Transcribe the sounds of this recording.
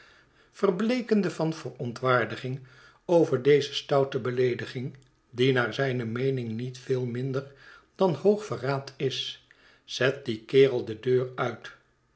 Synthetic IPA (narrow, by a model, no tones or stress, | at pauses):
fərblejkəndəvɑnvərɔntʋaːɹdəχɪŋ | owvəɹdejzəstʌwtəbəlejdəχɪŋ | dinaːɹzɛjnəmejnɪŋnitfɪːlˠmɪndəɹd̥ɑnhowχfəraːtʰɪs | z̥ɛt̚dikɪːrəlˠdədøːrœɥt